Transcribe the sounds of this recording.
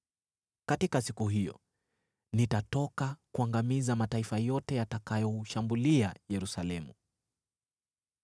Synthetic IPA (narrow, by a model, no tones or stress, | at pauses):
katikasikuɦijɔ̰ | nitatɔkakuaŋɡamizamataifajɔtɛjatakajɔʃambuliajɛɾusalɛmṵ